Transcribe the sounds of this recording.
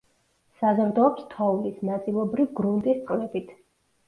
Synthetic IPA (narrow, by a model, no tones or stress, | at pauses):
sazɔɾd̪ɔːpst̪ʰɔulisnat̪sʼilˠɔbɾivɡɾunt̪ʼist̪sʼlɛbit̪ʰ